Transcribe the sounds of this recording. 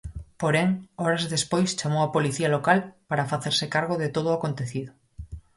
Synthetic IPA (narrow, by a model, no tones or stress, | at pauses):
poɾɛŋɔɾazðespojst͡ʃamowapoliθialokalpaɾafaθeɾsɪkaɾɣ̞oðet̪oð̞ʊakont̪eθiðʊ